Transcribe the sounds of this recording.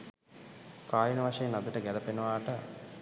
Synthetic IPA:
kaːjunɐʋaʂɐjənad̪əʈəɡælɐpenəʋaːʈə

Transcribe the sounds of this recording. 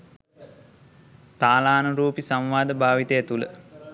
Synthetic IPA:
t̪aːlaːnəɾuːpisamʋaːd̪əbʱaːʋit̪əjet̪ulə̰

